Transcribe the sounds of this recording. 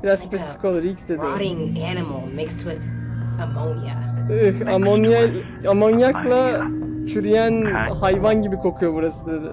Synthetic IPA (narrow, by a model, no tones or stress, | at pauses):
biɾazspʰe̞si̥fi̥co̞lˠuɾilʲcsd̪ed̪iɾɪ̃ŋænɨml̩ˠmɪkstwɪðəmõʊnə̰ɯhamonja | amonjaklˠat͡ʃʰyɾyjænhajvanɟibikʰo̞kʰujo̞buɾasɯd̪ed̪ɪ̰